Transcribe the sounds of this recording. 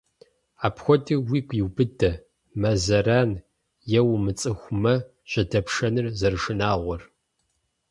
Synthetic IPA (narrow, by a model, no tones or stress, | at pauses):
aːpxʷɔdɨwiːɡʷʼjiwbɨdɐ | mɐzɐɾaːn | jɛwmɨt͡sʼɨxʷʊmɐ | ɕɐdɐpʂɐnɨrzɐrʂɨnaːʁʷɔr